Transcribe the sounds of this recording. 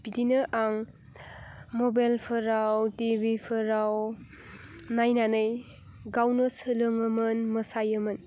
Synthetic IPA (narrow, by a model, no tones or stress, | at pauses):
b̥idinɯʔaŋ | mobajlpʰɯɾawtibʱipʰɯɾaw | najnanɯj | ɡawnɯsɯlɯŋɯmɯnmɯsajɯmɯn